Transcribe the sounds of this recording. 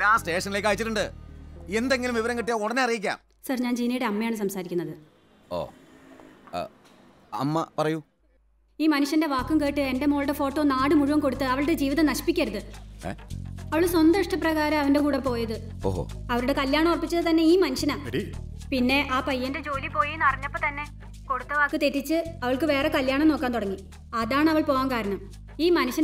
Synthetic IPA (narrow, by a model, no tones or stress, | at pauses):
aːsʈe̞ːʂɐnːile̞ːkːaːjit͡ɕːiʈːuɳɖɨe̞nd̪e̞ŋɡilumʋiʋɐɾɐŋkiʈːijaoɽɐneɐrijikʲːa̰ːm | sɐrɲaːnd͡ʑiːnɐjuɽe̞ɐmːɐjaːɳɨs̬ɐmsaːɾikʲːunːɐðɨ | o̰ː | ɐ̰mːɐpɐrɐju | iːmɐnuɕjɐnde̞ʋaːkːumke̞ːʈːɨe̞nde̞mo̞ːɭɽefo̞ːʈːo̞ːnaːɽɨmuɻuʋɐmko̞ɽut̪ːɨɐʋɐɭɨɽe̞d͡ʑiːʋiðɐmnɐɕi̥pikʲːɐɾuðɨ̰ | ɐʋɐɭswɐnd̪ɐʂʈɐprɐɣaːɾɐɐʋɐnde̞kuːɽɐpːo̞ːjɐðɨ | o̰ɦo̰ɐʋɐɾuɽe̞kɐljaːɳɐmorɐpːit͡ɕːɐðɨt̪ɐnːe̞iːmɐnuɕɐnaː | pinːe̞ʔaːpɐjːɐnded͡ʑo̞ːlipo̞ːjenːɐriɲːɐpːot̪ɐnːe̞ | ko̞ɽut̪ːɐʋaːkːɨt̪e̞tːit͡ɕːɨɐʋɐɭkɨʋe̞ːre̞kɐljaːɳɐmno̞ːkːaːnt̪uɽɐŋːi | ɐðaːɳɨɐʋɐɭpo̞ːʋaːnkaːɾɐɳɐm | iːmɐnuɕɐn